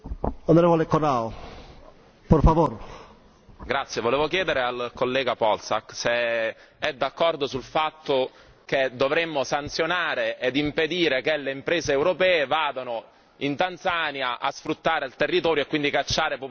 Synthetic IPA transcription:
onoɾevolekonao | poɾfavoɾ | ɡɾat̪sːjevoleːvokjɛːd̪eɾealkolːɛːɡapɔlsa̰kːse | ɛd̪ːakːɔrd̪osulfat̪ːo | ked̪ovɾemːosant̪sjonaːɾeed̪imped̪iːɾekelːeimpɾeːzeːwɾopɛːevaːd̪ano | int̪ant̪sanjaʔa̰sfɾut̪ːaːɾealt̪erːit̪ɔːɾjoekːwind̪ikat͡ʃːaːɾepu

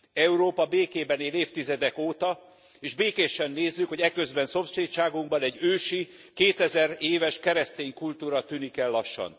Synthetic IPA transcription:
ɛuɾoːpɒbeːkeːbɛneːleːft̪izɛd̪ɛkoːt̪ɒ | eːʒbeːkeːʃɛnːeːzːykho̞ɟɛkø̞zbɛnso̞mseːt̪ʃaːɡuŋbɒnɛɟːøːʃi | keːt̪ɛzɛɾeːvɛʃkɛɾɛst̪eːŋkult̪uːɾɒt̪yːnikɛlːɒʃːɒ̰n

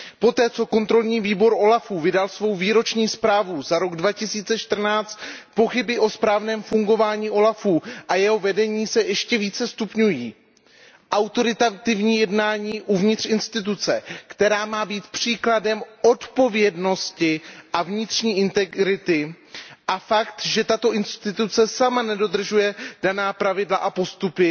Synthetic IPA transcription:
po̞t̪ɛːt͡so̞ko̞nt̪ɾo̞lɲiːviːbo̞ɾʔo̞lafuːvɪdalsvo̞wviːɾo̞t͡ʃɲiːspɾaːvuzaɾo̞ɡdvacɪsiːt͡sɛʃt̪r̩naːt͡st̪po̞xɪbɪʔo̞spɾaːvnɛːmfuŋɡo̞vaːɲiːʔo̞lafuːʔajɛɦo̞vɛdɛɲiːsɛjɛʃcɛviːt͡sɛst̪upɲujiː | ʔawt̪o̞ɾɪt̪at̪ɪvɲiːjɛdnaːɲiːʔuvɲɪt̪r̥ɪnst̪ɪt̪̬ut͡sɛkt̪ɛɾaːmaːbiːt̪pr̝̥iːkladɛmʔo̞t̪po̞vjɛdno̞scɪʔavɲɪt̪r̥ɲiːʔɪnt̪ɛɾɪt̪ɪ | ʔafakt̪ʒɛt̪at̪o̞ʔɪnst̪ɪt̪ut͡sɛsamanɛdo̞d̪r̩ʒujɛd̥anaːpɾavɪdlaʔapo̞st̪upɪ

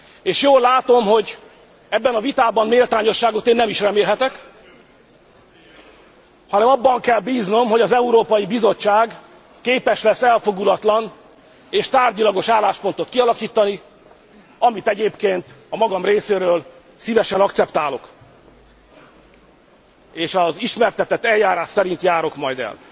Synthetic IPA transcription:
eːʃjoːlːaːt̪o̞mɦo̞ɟ | ɛbːɛnɒvit̪aːbɒnmeːlt̪aːɲo̞ʃːaːɡo̞t̪eːnːɛmiʃrɛmeːlɦɛt̪ɛk | hɒnɛmɒbːɒŋkɛlbiːzno̞mɦo̞ɟɒzɛuɾoːpɒjibizo̞t͡ʃːaːɡ | keːpɛʃlɛsːɛlfo̞ɡulɒt̪lɒn | eːʃt̪aːrɟilɒɡo̞ʃaːlːaːʃpo̞nt̪o̞t̪kiɒlɒkiːt̪ːɒni | ɒmit̪ɛɟeːpkeːnt̪ɒmɒɡɒmreːseːɾøːl | sivɛʃɛnɒkt̪sɛpt̪aːlo̞k | eːʃɒziʃmɛrt̪ɛt̪ɛt̪ːɛljaːɾaːʃsɛɾint̪jaːɾo̞kmɒjd̪ɛ̰l

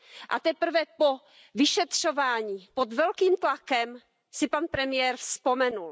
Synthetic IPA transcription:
ʔa̰t̪ɛpr̩vɛpo | vɪʃɛt̪r̝̥o̞vaːɲiːpod̪vɛlkiːmt̪lakɛm | sɪpanpɾɛmɪjɛːɾfspo̞mɛnul

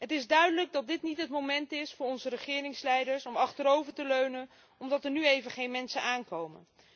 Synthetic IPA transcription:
ɦətɪzdœɥdələɡ̚dɑt̚dɪtnitɦətmowmɛntɪsfʊːɹɔnzəɾəχɪːrɪŋslɛjdəɹsɔmɑχtəɾowvəɹtəløɥnən | ɔmdɑtəɹnyejvəχejnmɛnsənaːnkowmə̰n

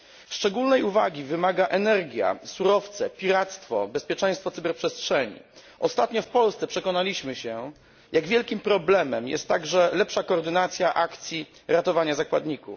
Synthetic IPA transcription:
ʂt͡ʂɛɡulnɛjuvaɡʲivɘmaɡaʔɛnɛɾɡʲja̰suɾɔft̪sɛpʲiɾat̪st̪fɔbɛspʲjɛt͡ʂɛ̃j̃st̪fɔt̪sɘbɛɾpʂɛstʂɛɲḭʔɔst̪at̪ɲɔfpɔlst̪sɛpʂɛkɔnalʲiɕmɘɕɛ | jaɡvʲjɛlkʲimpɾɔblɛmɛmjɛ̰st̪ːaɡʐɛlɛpʂakɔːɾd̪ɘnat̪sʲjaʔakt̪sʲjiɾat̪ɔvaɲazakwad̪ɲikuf

